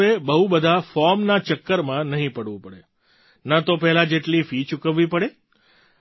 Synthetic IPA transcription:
ebəɦubəd̪ʱafɔɾmnat͡ʃəkːəɾmãnəɦĩpəɽʋũpəɽe | nat̪opɛɦlãd͡ʒeʈlifit͡ʃukəʋːipəɽe

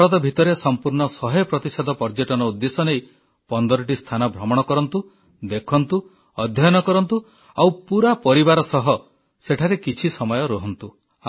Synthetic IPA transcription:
ɾɔt̪ɔbʱit̪ɔɾesɔmpuɾɳɔsɔɦepɾɔt̪isɔd̪ʱɔpɔɾd͡ʒeʈɔnɔud̪ːesɔnej | pɔnd̪ɔɾɔʈ̬ist̪ʰanɔbʱɾɔmɔɽ̃ɔkɔɾɔnt̪u | d̪ekʰɔnt̪u | ɔd̪ʱjɔjɔnɔkɔɾɔnt̪u | awpuɾapɔɾibaɾɔsɔɦɔ | seʈʰaɾekit͡ʃʰisɔmɔjɔɾɔɦɔnt̪u | a

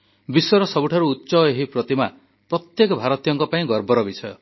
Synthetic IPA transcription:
bisɔɾɔsɔbuʈʰaɾuːtːsɔeɦipɾɔt̪ima | pɾɔt̪jekɔbʱaɾɔt̪ijɔŋkɔpaĩɡɔɾbɔɾɔbisɔjɔ

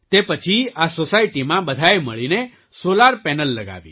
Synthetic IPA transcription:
t̪epət͡ʃʰiasosaiʈimãbəd̪ʱajməɭine | solaɾpɛnəlːəɡa̰ʋḭ

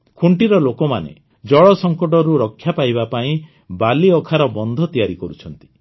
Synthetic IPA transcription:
kʰuɳʈiɾɔlokɔmanḛ | d͡ʒɔɭɔsɔŋkɔʈɔɾuɾɔkʰːjapajbapaĩ | baliɔkʰaɾɔbɔnd̪ʱɔt̪ijaɾikɔɾut͡ʃʰɔnt̪i̥

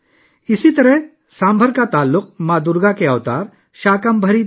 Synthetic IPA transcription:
ɪsit̪ɐɾɛɦ | sãːmbʱəɾkat̪aːlːʊq̚maːd̪uːɾɡakeɐʋt̪aːɾ | ʃaːkəmbʱəɾi

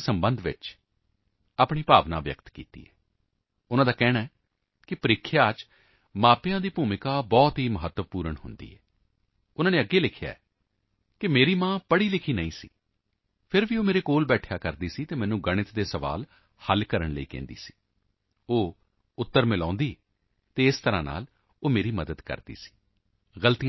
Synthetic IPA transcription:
səmbənd̪ʋɪ̰t͡ʃ | aːpɳiːpaːʋna̰ːʋjə̰kt̪kḭːt̪ḭːɛː | ʊnãːd̪aːkɛːɽ̃aːɛː | kɪpəɾɪkʰːjaːt͡ʃ | mãːpɪjãːd̪iːpuːmɪkaːbɔːt̪ɦiːməɦət̪ːəpuːɾəɳɦʊ̰nd̪ḭːɛː | ʊnãːneːəɡːeːlɪkʰja̰ːɛː | kɪmeːɾiːmãːpəɽiːlɪkʰiːnəĩːsḭː | pʰɪɾʋioːmeːɾeːkoːlbɛːʈʰjaːkəɾd̪iːsiːt̪eːmɛ̃ːnũːɡəɽ̃ɪt̪d̪eːsəʋa̰ːl | həlkəɾəɳlə̰ḭːkɛ̰̃ːnd̪ḭːsi̥ː | oː | ʊt̪ːəɾmɪlãːnd̪iː | t̪eːɪst̪əɾã̰ːna̰ːl | oːmeːɾiːməd̪əd̪kə̰ɾd̪ḭːsi̥ː | ɣəlt̪iã

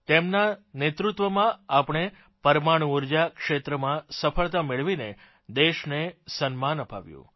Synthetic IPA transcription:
t̪emnanet̪ɾut̪ʋəmãapɽ̃e | pəɾmaɳ̃uuɾd͡ʒakʃet̪ɾəmãsəfʰəɭt̪ameɭʋine | d̪eʃnesənmanəpa̰ʋjṵ̃

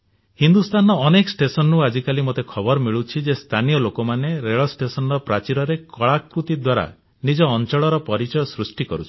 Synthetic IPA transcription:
hind̪ust̪ʰanɔːnekɔsʈesɔnnuad͡ʒikalimot̪ekʰɔbɔɾɔmiɭut͡ʃʰid͡ʒest̪ʰanijɔlokomaneɾeɭɔsʈesɔnɔɾɔpɾat͡ʃiɾɔɾekɔɭakɾut̪id̪waɾa̰ | nid͡ʒɔːnt͡ʃɔɭɔɾɔpɔɾit͡ʃɔjɔsɾusʈikɔɾut͡ʃʰi̥

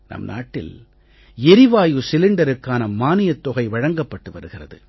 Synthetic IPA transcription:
nɐ̰mna̰ːʈːɪ̰l | ɛɾɪʋaːjɯsɪlɪɳɖɐɾɯkːaːnɐmaːnɪjɐt̪ːɔɣɐɪʋɐɻɐŋɡɐpːɐʈːɯʋɐɾɯɣɪrɐðɯ̰

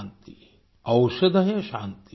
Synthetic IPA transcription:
nt̪i | ɐwʃɐd̪ɐɦjɐʃaːnt̪i

